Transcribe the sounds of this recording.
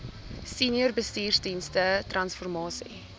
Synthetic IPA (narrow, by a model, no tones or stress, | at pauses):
siːniərbəstiːrsdinstətrɐnsfɔrmɑːsḭ